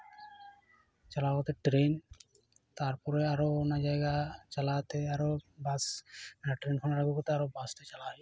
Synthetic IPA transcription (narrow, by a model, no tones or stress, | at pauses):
t͡ʃalaɦot̪eʈɾen | t̪aɾpɔɾeaɾoonad͡ʑajɡat͡ʃalat̪eaɾobasaʈɾenkʰɔnaɾaɡukot̪eaɾobasʈet͡ɕalaɦɔj